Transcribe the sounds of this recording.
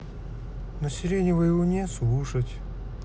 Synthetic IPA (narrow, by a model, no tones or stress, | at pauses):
nəsʲɪlʲenʲɪvəjɪvonʲeslˠuʂətʲ